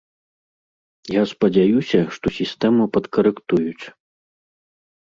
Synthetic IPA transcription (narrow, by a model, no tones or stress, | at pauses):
jaspɐd͡zʲajusʲɐʂt̪ɔsʲist̪ɛmɨpɐt̪kɐɾɨkt̪ujut͡sʲ